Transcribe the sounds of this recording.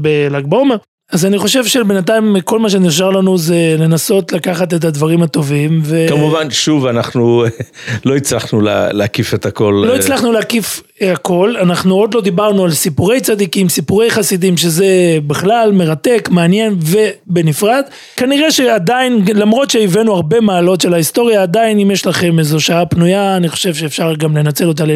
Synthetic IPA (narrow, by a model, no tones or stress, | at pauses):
belaɡ̚bomeʁ | azaniχo̞ʃe̞vʃebenat̪̬aimko̞lmaʃ̬e̞niχʃ̬aʁlanuzele̞naso̞tlakaχat̬e̞t̬ad̪vaʁimat̪o̞vimve̞kamuvanʃuvanaχnu | loit͡slaχnula̰leakifet̪ako̞llo̞it͡slaχnuleakif | eako̞lanaχnuo̞d̪lo̞d̪ibaʁnualsipuʁe̞jt͡sad̪ikimsipuʁe̞jχasid̪imʃe̞ze̞beχlalme̞ʁat̪e̞kmeanje̞nve̞be̞nifʁad̪ | kaniʁeʃead̪ainlamʁo̞t̪ʃe̞ivenuaʁbe̞maːlo̞tʃe̞laist̪o̞ʁjaːd̪ainimjeʃlaχe̞mezo̞ʃaapnujaːniχo̞̥ʃe̞vʃe̞ːfʃaʁɡamle̞nat͡se̞lo̞t̬ale